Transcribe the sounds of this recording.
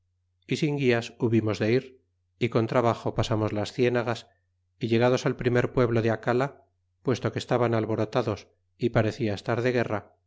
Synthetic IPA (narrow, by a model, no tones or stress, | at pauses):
isiŋɡiasuβimo̞zðe̞iɾ | iko̞nt̪ɾaβaχo̞pasamozlasθjenaɣas | iʎe̞ɣ̞aðo̞salpɾime̞ɾpwe̞βlo̞ðeakala | pwe̞st̪o̞kest̪aβanalβo̞ɾo̞t̪aðo̞s | ipaɾe̞θiaest̪aɾðe̞ɣ̞e̞ra